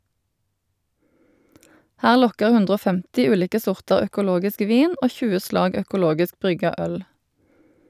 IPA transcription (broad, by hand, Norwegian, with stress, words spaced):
ˈhæːʁ ˈlɔkəʁ ˈhʉndʁ ˈoː ˈfɛmtɪ ˈʉːliːkə ˈsʊʁtɑʁ œkʊˈloːɡɪsk ˈʋiːn ˈoː ˈçʉːə ˈslɑːɡ œkʊˈloːɡɪsk ˈbʁʏɡɑ ˈœl